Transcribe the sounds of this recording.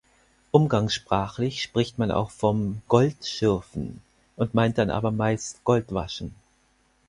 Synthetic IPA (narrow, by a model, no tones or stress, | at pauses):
ʔʊmɡaŋsʃpʁ̥aːxlɪçʃpʁ̥ɪçtmana̰ʊxfɔmɡ̥ɔltʃɪɐfn̩ | ʔʊntmaɪnt̚d̥anʔa̰ːbɐmaɪstɡ̥ɔltv̥a̰ʃn̩